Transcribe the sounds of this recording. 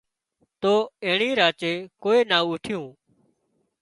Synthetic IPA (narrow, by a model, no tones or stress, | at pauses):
t̪oːẽːɳĩːɾaːt͡ʃeːkoːeːnaːʊʈʰɪjũː